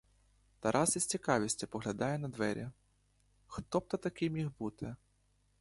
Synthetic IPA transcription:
t̪ɐɾʔasisʲt͡sʲikɑʋʲisʲt͡sʲɐpɔɣlʲɐd̪ɑjɛnɐd̪ʋɛɾʲɛ | xt̪ɔp̚t̪ɐt̪ɐkɪmʲixbut̪ɪ

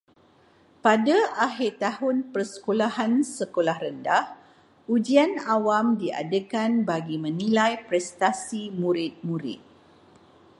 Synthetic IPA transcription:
padaʔaɦirt̪ahʊnpərsə̥kolaɦansəkolahɾəndah | ud͡ʒianawamdia̰dəkanbaɡimə̃nilajpɾɛst̪asimũɾɪt̪̚muɾɪ̰t̪̚

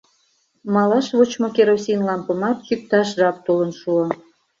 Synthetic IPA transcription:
mɑlɑʃβot͡ɕmokeɾosʲinlɑmpəmɑt̪t͡ɕyk̚t̪ɑʃʒɑp̚t̪olənʃuo

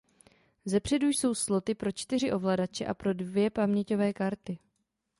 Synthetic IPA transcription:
zɛpr̝̥ɛdujso̞wslo̞t̪ɪpɾo̞t͡ʃt̪ɪr̝ɪʔo̞vladat͡ʃɛʔa̰pɾo̞dvjɛpamɲɛco̞vɛːkaɾt̪ɪ

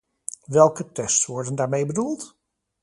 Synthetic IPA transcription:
ʋɛlˠkətɛstsʋɔɹdəndaːɹmejbədulˠt

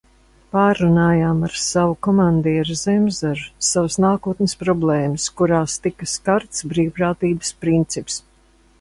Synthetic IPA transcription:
paːɾːunaːjaːmaɾsavukɔmand̪iɛɾzɛmzaɾsavəsnaːkuːt̪nʲɪspɾɔblˠɛːmɨskuɾaːst̪ikɐskaɾt̪sbɾiːwpɾaːt̪iːbəspɾint̪sips

